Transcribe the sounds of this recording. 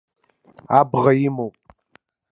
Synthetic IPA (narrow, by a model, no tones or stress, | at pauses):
abʁajɪmowpʼ